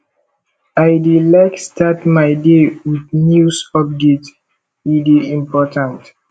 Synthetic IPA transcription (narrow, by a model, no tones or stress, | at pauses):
aɪdelaɪkstʰatmaɪdewiðnjusɔp̚det | wideĩmpʰɔtãnt